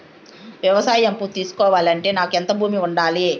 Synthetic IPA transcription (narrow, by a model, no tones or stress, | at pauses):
ʋjɐʋɐsaːjɐmput̪iːsu̥kɔːʋaːlɐɳʈe̞ːnaːkɛnt̪ɐbʱuːmiuɳɖaːli